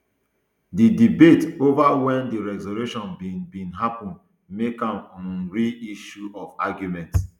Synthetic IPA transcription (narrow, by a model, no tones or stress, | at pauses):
didibetovawɛ̃ndiɹɛzoluʃɔ̃nbĩbĩnɦapɔ̃n | mekãmɔ̃nnɹiiʃuɔvaɡjumɛ̃nts